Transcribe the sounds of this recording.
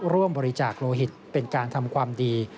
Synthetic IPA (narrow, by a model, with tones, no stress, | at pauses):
ɾu˥˩əmbɔː˧ɾi˦˥t͡ɕaː˨˩k̚loː˧ɦi˨˩t̪̚pe˧nkaː˧nt̪ʰa˧mkʰwaː˧mdiː˧